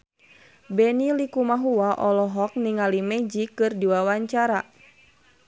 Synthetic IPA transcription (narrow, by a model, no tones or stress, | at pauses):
bɛnilikumaɦuwaʔɔlɔɦɔk̚niŋalimɛd͡ʒikɨrdiwawaɲt͡ʃaɾa